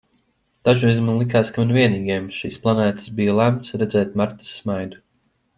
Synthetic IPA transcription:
d̪̥aʒuizmanlˠik̬aːskamanviɛniːɡʲiɛmʃiːsplˠanæːt̪ɨ̥sbijalˠæmt̪sɾɛd̪zɛːt̪̚maɾt̪i̥sːmajd̪u

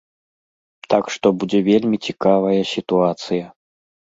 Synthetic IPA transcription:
t̪akʂt̪ɔbud͡zʲɛvʲelʲmʲit͡sʲikavɐjɐsʲit̪uat̪sɨjɐ

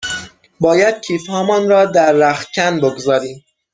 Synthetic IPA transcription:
bɒːjæd̪̥̚cʰiːfhɒːmɒːnɾɒːd̪æɾːæxt̪̚cʲʰænboɡzɒːɾiːm

